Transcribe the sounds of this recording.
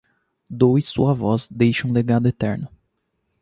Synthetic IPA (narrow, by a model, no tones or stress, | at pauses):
d̪ojsṵɐvɔzd̪ejʃɐ̃leɡad̪ʊet̪ɛɾnʊ